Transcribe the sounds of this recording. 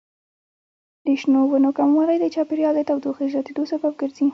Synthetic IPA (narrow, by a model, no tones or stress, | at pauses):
d̪iʃnowənokamwɑɾajd̪ət͡ʃɑpeɾjɑld̪ət̪awd̪oxiʒɑt̪id̪osabab̚ɡəɾzi